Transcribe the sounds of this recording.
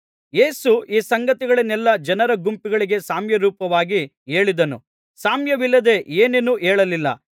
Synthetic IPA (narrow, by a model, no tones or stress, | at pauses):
je̞ːsuiːsɐŋɡɐt̪iɡɐɭɐnɛlːɐd͡ʒɐnɐɾɐɡumpiɡɐɭiɡe̞saːmjɐɾuːpɐʋaːɡi | e̞ːɭid̪ɐnṵ | saːmjɐʋilːɐd̪e̞ʔeːnenuːʔeːɭɐlilːɐ̰